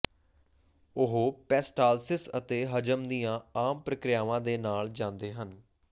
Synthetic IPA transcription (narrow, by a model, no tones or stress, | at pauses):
ʊɦoːpɛːsʈaːlsɪsət̪eːɦəd͡ʒəmd̪ijãːaːmpɾəkɾɪjaːʋãːd̪eːnaːld͡ʒãːnd̪eːɦən